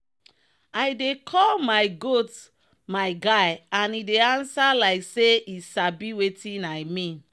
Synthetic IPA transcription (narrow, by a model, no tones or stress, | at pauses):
ajdekʰɔlmajɡot | majɡajãnideãnsalaɪkseisabiwetĩnajmĩn